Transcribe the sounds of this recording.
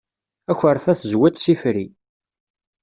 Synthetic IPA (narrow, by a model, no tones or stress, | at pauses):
æçəɾˤfæθzwæt͡s̪sifɾi